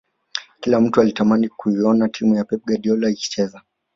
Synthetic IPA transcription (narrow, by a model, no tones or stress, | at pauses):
kilam̩tualitamanikuiɔnatʰimujapɛp̚ɡaɗiɔlaiki̥t͡ʃɛza